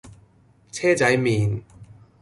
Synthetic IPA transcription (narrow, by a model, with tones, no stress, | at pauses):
t͡sʰɛː˥t͡sɐ˨˥jmiː˨n